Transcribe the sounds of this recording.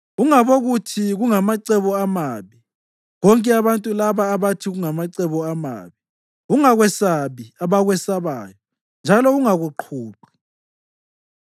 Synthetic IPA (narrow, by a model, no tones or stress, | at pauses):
ɣuŋaβoɣutʰiɣuŋamaǀɛβɔamaːβi | ɣɔŋkʼɛaβantʼulaβaːβatʰiɣuŋamaǀɛβɔama̰ːβi | ɣuŋaɣwɛsaβiaβaɣwɛsaβaːjɔ | nd͡ʒʱalɔɣuŋaɣuǃʰuːǃi̥